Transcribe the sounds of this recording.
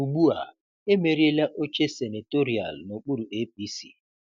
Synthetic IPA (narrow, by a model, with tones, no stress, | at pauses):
u˨ɡ͡bu˦a̰˨ | e˦me˨ɾi˦e˦la˦ʔo˦t͡ʃe˦se˨ne˨to˦ɾi˨a̰˨lno˨k͡pu˦ɾu˨e˦p̚i˦si˨